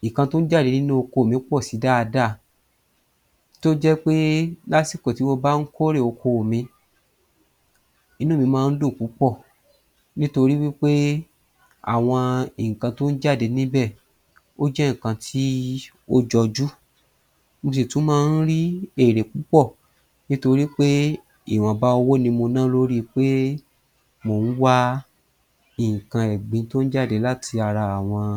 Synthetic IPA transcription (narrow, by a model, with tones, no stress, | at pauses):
ĩ˨kã˧to˦n̩˦d͡ʒa˦˨e˨˦nĩ˦nũ˦o˧ko˧˨mĩ˨˦k͡pɔ˦˨si˨˦da˦˧da˦˨ | to˦d͡ʒɛ˦k͡pe˦la˦si˦˨ko˨ti˨˦wo˦ba˦n̩˦kʰo˦ɾe˦˨o˧kʰo˧˨mĩ˧ | i˧˦nũ˦˨mĩ˧mãː˦˧n̩˦do˦˨ku˨˦k͡pɔ˦˨ | nĩ˦to˧ɾi˦wi˦k͡pe˦ | a̰˨w̃ɔ̃˧i˨ŋ̩˨kã˧to˦n̩˦d͡ʒa˦˨de˨˦nĩ˦bɛ˦˨ | o˦d͡ʒɛ˦ŋ̩˨kã˧tʰi˦ | o˦d͡ʒɔ˧d͡ʒu˦ | mõ˧s̬e˨tũ˦mãː˦˧n̩˦ɾi˦e˦˨ɾe˨ku˨˦k͡pɔ˦˨ | nĩ˦to˧ɾi˦k͡pe˦ | i˦˨w̃ã˨ba˦o˧wo˦nĩ˧mo˧nãː˦lo˦ɾi˦k͡pe˦ | mo˧˨n̩˦wa˦ | i˨ŋ̩˨kã˧ɛ˨ɡ͡bĩ˨˦to˦n̩˦d͡ʒa˦˨de˨˦la˦tʰi˧a˧ɾa˧a˨w̃ɔ̃˧